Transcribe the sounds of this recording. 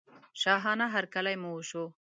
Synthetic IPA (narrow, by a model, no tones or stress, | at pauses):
ʃɑɦɑnaɦaɾkalajmuoʃo